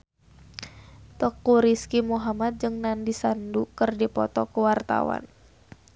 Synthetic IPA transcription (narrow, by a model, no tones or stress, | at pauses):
t̪ɔkːuɾiskimuɦamat̪̚d͡ʒɨŋnandisandukɨrdipɔ̰t̪ɔkəwart̪a̰wa̰n